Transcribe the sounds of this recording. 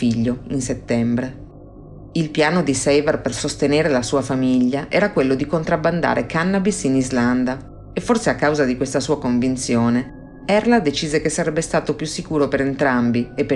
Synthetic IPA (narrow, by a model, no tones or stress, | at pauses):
iʎːoinset̪ːɛmbɾe | ilpjaːnod̪isɛjvɛrpersost̪eneːɾelasuːafamiʎːaʔɛːɾakwelːod̪ikont̪ɾabːand̪a̰ːɾʔekanːabisinizland̪a | efːorseakːawzad̪ikwest̪asuːakoɱvint̪sjoːne | ɛrlad̪et͡ʃiːzekesːaɾɛbːest̪aːt̪opjusːikuːɾopeɾent̪ɾambiepː